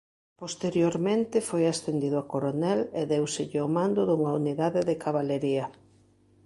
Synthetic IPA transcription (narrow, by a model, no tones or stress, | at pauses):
post̪eɾjoɾmẽnt̪ɪfojasθend̪iðʊakoɾonɛleðewsɪʎɪomãnd̪ʊðuŋɐuniðaðɪðɪkʰaβaleɾiɐ